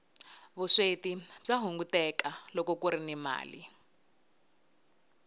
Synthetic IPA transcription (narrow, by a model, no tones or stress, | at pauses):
βuʂetib͡ʐaɦuŋɡutɛkalɔkɔkuɾinima̰ːlḭ